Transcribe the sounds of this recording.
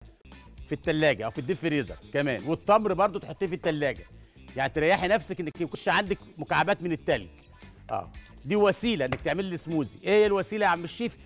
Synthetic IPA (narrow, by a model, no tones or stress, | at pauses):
fit̪ːælːæːɡæʔæwfid̪ːiːfeɾiːzɑ̰kæmæ̰ːnwet̪ˤːɑmɾbɑɾˤd̪ˤot̪eħot̪ˤːiːfit̪ːælːæːɡæ | jaʕnit̪eɾˤɑjːaħinæfsækʔenːækkuʃʕand̪ækmʊkaʕabæːt̪menet̪ːælɡ | ʔæ̰ː | d̪iːwæsiːlæʔenːæk̚t̪eʕmelːesmuːzḭʔhjːælwæsiːlæmeʃːiːf